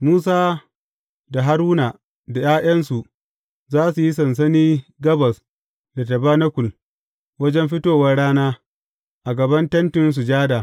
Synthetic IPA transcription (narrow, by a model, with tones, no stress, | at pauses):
muː˦s̬aː˦ | da˨ɦa˦ɾuː˦na˨ | da˨jaː˦j̰ɐ˦nsu˨ | zaː˦su˨ji˦sɐ˨ns̬ɐ˦niː˦ɡɐ˦bɐ˨s | da˨tɐ˨baː˦nɐ˦kʷʊ˨l | wɐ˦d͡ʒɛ˦mɸɪ˦toː˦wɐ˦rɽaː˦naː˦ | ʔa˨ɡɐ˨bɐ˦ntɐ˦ntɪ˨ns̬u˨d͡ʒaː˦da˨